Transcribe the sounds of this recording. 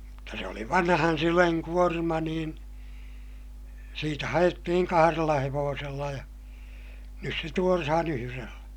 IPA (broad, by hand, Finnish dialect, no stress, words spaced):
mutːɑ se oli ʋɑnhɑn syleŋ kuormɑ niːn siːtæ hɑj̆etːihiŋ kɑhɑrelːɑ heʋoːselːɑ jɑ nys se tuorɑhɑn yhyrelːæ̥